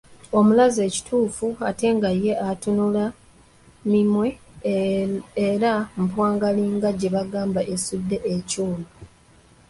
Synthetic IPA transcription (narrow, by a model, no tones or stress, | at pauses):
o̞mulaze̞ːci̥tʰuːfuate̞ːŋɡajːe̞ʔatunula | mimwe̞ | eɾam̩pwaːŋɡaliːŋɡaɟe̞βaɡaːmbaʔesudːe̞ʔecuːlu